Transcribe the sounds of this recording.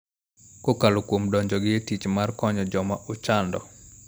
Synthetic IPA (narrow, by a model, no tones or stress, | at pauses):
kokalokwomdɔɲd͡ʒɔɡɪetit͡ʃmarkɔɲɔd͡ʒɔmaʔʊt͡ʃandɔ